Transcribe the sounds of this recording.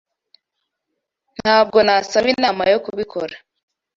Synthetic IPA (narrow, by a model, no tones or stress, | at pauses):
n̥haːb̚ɡo̞nasaβinaːmajokuβikʰoɾa